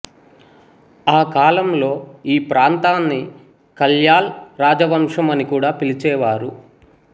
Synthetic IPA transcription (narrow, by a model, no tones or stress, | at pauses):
aːkaːlɐmlo̞ːiːpɾaːnt̪aːnːi | kɐljaːlɾaːd͡ʒɐʋɐmʂɐmɐnikuːɽaːpilit͡ʃɛːʋaːɾu